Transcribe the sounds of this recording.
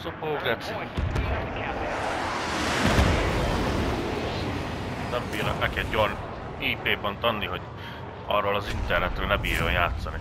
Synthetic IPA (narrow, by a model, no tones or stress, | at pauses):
sopoːɡɾɛt̪si | nɛmbiːɾɔ̰kɛkɛd̪jon | iːpeːbɒnt̪ɒnːiɦo̞ɟ | ɒ̰rːoːlɒzint̪ɛrnɛt̪røːlnɛmbiːɾonjaːt̪sɒni